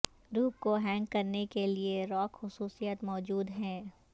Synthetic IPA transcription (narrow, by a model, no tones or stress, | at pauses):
ɾuːp̚koɦɛ̃ːŋkːɐɾnekelieɾɔːkxʊsuːsijət̪mɔːd͡ʒuːd̪ɦɛ̃ː